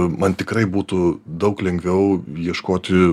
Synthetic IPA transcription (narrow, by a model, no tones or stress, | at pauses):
mɐnt̪ʲɪkɾɐɪbuːt̪ʊd̪ɐʊklʲɛŋʲɡʲʋʲɛʊjiɛʃkoːt̪ʲɪ